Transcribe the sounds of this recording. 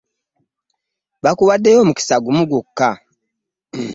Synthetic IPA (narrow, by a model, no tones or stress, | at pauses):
βakuβadːejomuki̥saɡumuɡukːa